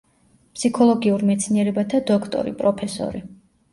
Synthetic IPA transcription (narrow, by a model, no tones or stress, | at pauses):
pʰsikʰɔlˠɔɡiuɾmɛt̪sʰniɛɾɛbat̪ʰad̪ɔkʰt̪ʼɔ̰ɾḭpʼɾɔpʰɛsɔ̰ɾi